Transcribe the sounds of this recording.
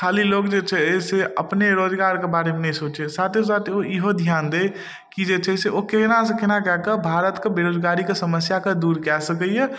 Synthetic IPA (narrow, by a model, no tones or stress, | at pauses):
kʰaːliloːkd͡ʒet͡ʃʰɛeseəpneɾoːd͡ʒɡaːɾkebaːɾemenɛɦĩsoːt͡ʃesaːt̪es̬aːt̪oiɦod̪ʱjaːnd̪e | kid͡ʒet͡ʃʰɛseokenasekɪnakɛɦkebʱaːɾət̪kebeɾoːd͡ʒɡaːɾikesəməsjaked̪uːɾkɛsək̬əjɛ